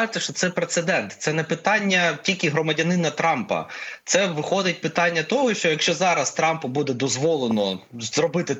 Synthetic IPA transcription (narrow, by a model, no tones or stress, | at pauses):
ɪt̪ʲːɐʃt͡ʃɔt̪sɛpɾet̪sed̪ɛnt̪sɛnɛpɪt̪ɑnʲːɐtʲilʲkʲiɦɾɔmɐdʲɐnɪnɐt̪ɾɑmpɐ̰t̪sɛʋɪxɔd̪ɪt̚ʲpɪt̪ɑnʲːɐt̪ɔɦɔʃt͡ʃɔjɐkʃt͡ʃɔzɑɾɐst̪ɾɑmpʊbud̪ɛd̪ɔzʋɔlˠenɔzrɔbɪt̪ɪ